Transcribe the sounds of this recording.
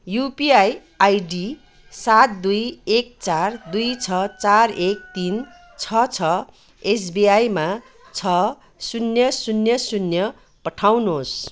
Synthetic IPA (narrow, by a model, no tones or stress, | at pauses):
jupiaj | ajɖi | sat̪̚d̪ujek̚t͡sard̪ujt͡sʰʌt͡sarek̚t̪in | t͡sʰʌt͡sʰʌ | es̬biajma | t͡sʰʌ | sunjʌsunjʌsunjʌ | pʌʈʰawnos